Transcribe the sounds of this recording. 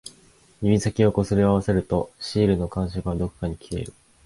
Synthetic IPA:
imʲisakʲio̞ko̞sɨɾʲiaβase̞ɾɯ̟t̪o̞ɕiːɾɯ̟no̞kãɰ̃ɕ̬okɯ̟βad̪o̞kɯ̟̥kaɲ̟ikʲʰie̞̰ɾɯ̟

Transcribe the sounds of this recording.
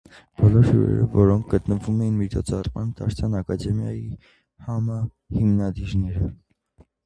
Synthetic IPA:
b̥ɔlɔɾhṵɾɛ̰ɾɔ̰vɔɾɔŋkʰɡət̪nəvumɛjinmit͡ʃʰɔt͡sʰɑrmɑnt̪ʰɑɾt͡sʰjɑnɑkɑd̪ɛmjɑ̰ji | hɑmɑ | himnɑd̪iɾnɛɾə

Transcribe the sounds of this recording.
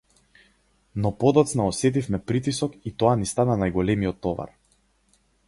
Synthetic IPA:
nɔpɔd̪ɔt̪snaɔsɛt̪̬ifmɛpɾit̪̬isɔkit̪ɔanist̪ananajɡɔlɛmijɔt̪ːɔva̰ɾ

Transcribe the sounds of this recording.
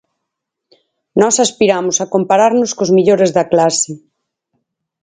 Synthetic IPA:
nɔsaspiɾamʊsakompaɾaɾnʊskozmiʎoɾezðɐklasɪ

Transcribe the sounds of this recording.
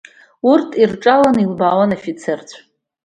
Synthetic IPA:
urtʰʼirʈ͡ʂʼalanilbaːwanofit͡sʰert͡sʷʰ

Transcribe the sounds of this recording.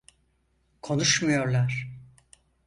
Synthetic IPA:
kʰo̞nuʃmajo̞ɾlˠaɾ̥

